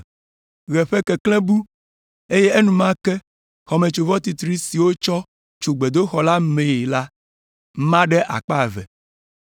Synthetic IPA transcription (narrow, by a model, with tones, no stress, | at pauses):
ɣɛ˨ɸɛ˦kɛ˨klɛ̃˦bu˦ | e˦je˦e˦nũ˨mã˦kɛ˦ | xɔ˨mɛ̃˨t͡ʃo˨vɔ˦t̪i˨t̪ɾi˦si˨wo˦t͡ʃɔ˦ | t͡ʃo˨ɡ͡be˨d̪o˦xɔ˨la˦mẽ˨e˨la˦ | mã˦ɖɛ˦ʔa̰˨k͡pa˦˨vɛ̰˨